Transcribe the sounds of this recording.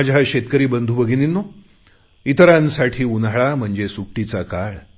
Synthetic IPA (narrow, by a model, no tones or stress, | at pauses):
ad͡ʑʱjaɕet̪kəɾiːbənd̪ʱubəɡʱiːninːo | it̪əɾãnsaʈʰiːunaɭam̤əɳd͡ʑesuk̚ʈit͡sakaɭ